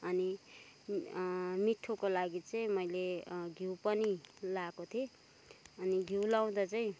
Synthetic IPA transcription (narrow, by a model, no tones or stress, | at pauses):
ʌni | miʈʰːokolaɡit͡sʌĩmʌjleɡʱiwpʌnilakot̪ʰe | ʌniɡʱiwlaw̃d̪ʌt͡saĩ